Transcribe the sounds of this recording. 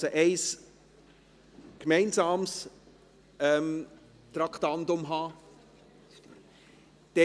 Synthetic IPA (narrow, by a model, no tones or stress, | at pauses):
səʔɛɪs | kmɛɪnsɑːms | ɛm | t̪ɾɑktɑndʊmɦɑː | d̥ɛ